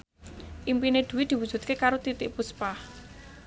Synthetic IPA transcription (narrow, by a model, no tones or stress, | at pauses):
ʔimpined̪̥ṳwid̪̥i̤wud̥ʒ̥ṳt̪̚kekaɾot̪it̪ɪʔpuspah